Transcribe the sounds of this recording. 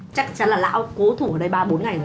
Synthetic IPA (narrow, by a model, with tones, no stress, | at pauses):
t͡ɕa˦˥k̚t͡ɕa˨˦nlaː˨˩la̰ː˧˥wko˨˦t̪ʰu˧˩əː˧˩ɗə˧jɓaː˧ɓo˨˦nŋa˨˩jŋə˨˩˨